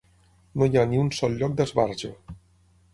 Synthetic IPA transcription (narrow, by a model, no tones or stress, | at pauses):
nojaniunsɔlˠʎɔk̚d̪əzβaɾʒə